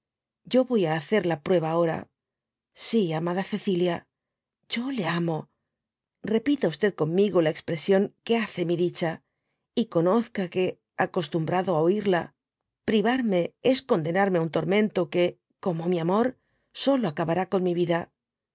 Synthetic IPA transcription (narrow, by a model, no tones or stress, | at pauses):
ɟ͡ʝo̞βo̞jaːθe̞ɾlapɾwe̞β̞aːo̞ɾa̰ | siamaðaθe̞θilja | ɟ͡ʝo̞le̞amo̞ | re̞pit̪aust̪e̞ðko̞mmiɣolaekspɾe̞sjo̞ŋke̞aθe̞miðit͡ʃa | iko̞no̞θkake̞ | ako̞st̪umbɾaðoaoiɾla | pɾiβaɾme̞e̞sko̞nd̪e̞naɾme̞aunt̪o̞ɾmẽ̞nt̪o̞ke̞ | ko̞mo̞miamo̞ɾ | so̞lo̞akaβaɾako̞nmiβiða